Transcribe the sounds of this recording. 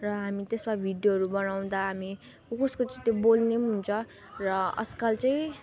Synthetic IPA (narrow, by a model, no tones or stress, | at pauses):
rʌɦamit̪esmabʱiɖjoɦʌɾubʌnaw̃d̪aɦami | kokuskot͡saĩt̪jobolneɦunt͡sʰʌ | rʌʌ̰sʌ̥kalt͡sajĩ